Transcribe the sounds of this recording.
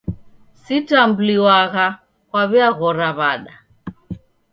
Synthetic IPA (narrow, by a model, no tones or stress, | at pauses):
sitambuliwaɣa | kwaβiaɣɔɾaβaɗa